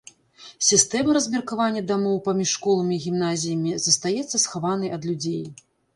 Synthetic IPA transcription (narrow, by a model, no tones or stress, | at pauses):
sʲist̪ɛmɐɾɐzʲmʲɛrkavanʲːɐd̪amɔwpamʲiʂːkɔlˠɐmʲiːɣʲimnazʲijɐmʲizɐst̪ajɛt̪sːɐsxavan̪ɐjɐd̪lʲud͡zʲej